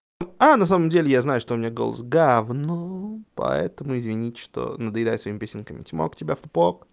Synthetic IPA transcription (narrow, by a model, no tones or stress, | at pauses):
anɐs̬aməmdʲelʲɪjaznajʊʂt̪oʊmʲɪnʲaɡo̞̰lˠə̰sɡavnopɐ̰ɛ̰t̪əmʊɪzvʲɪnʲitʲʂt̪o̰nəd̪əjd̪ajʊsvɐimʲɪpesʲɪnkəmʲɪtʲmo̰ktʲɪbʲafʊpok